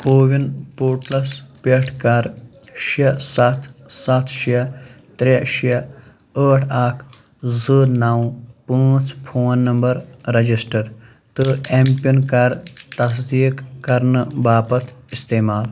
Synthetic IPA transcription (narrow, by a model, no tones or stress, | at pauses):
koːʋinpuːʈlɐspeʈʰkaːɾ | ʃɐsɐt̪ʰsɐt̪ʰʃiɐ | t̪ɾeʃijɐ | əːʈʰaːkʰ | zəːɾnaːwpə̃ːt͡spʰoːnːɐmbɐɾɾɐd͡ʒisʈɐɾ | t̪ɨempunkaːɾt̪ɐs̬d̪iːkːɐɾnbaːpɐt̪ʰist̪eːmaːl